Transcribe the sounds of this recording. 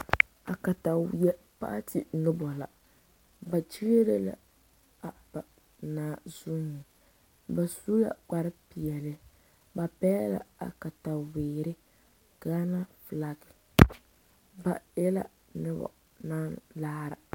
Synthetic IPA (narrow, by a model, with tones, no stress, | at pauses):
a˨ka˨ta˨wjɛ˦ | pa̰˦tɪ˨nɪ˦bɔ˨la̰˨ | ba˨t͡ʃi˦ɡe˦ɾe˦la̰˨ | a˨ba˨ | naː˨˦˨zu˦nɪ˨ | ba˨su˦la̰˨ka˦ɾɪ˦pi˨ɛ˨lɪ˦ | ba˨pɛ˦la̰˨a̰˨ka˨ta˨weː˨ɾɪ˦ | ɡ̥aː˦na˦fla˦kɪ̥˨ | ba˨ɛ˦la̰˦ | nɨ˦bɔ̰˨ | na˦nlaː˦ɾa̰˨